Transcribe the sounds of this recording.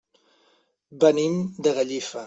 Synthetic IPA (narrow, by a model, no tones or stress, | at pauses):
bənimd̪əɣəʎifə